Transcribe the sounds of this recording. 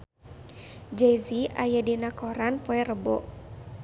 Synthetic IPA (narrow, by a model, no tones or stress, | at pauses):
d͡ʒejziajadinakɔɾanpoɛrəbɔ